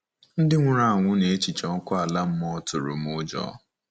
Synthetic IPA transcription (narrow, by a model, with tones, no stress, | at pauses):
n̩˦dɪ˦ŋʷʊ˦ɾa˦a˨ŋʷʊ˦ne˨˦t͡ʃi˨t͡ʃɔ˨ŋ̩˦kʷʊ˦a˨la˦m̩˦mɔ˦tʊ˨ɾʊ̰˨m˦ʊ˦d͡ʒɔ̰˨˦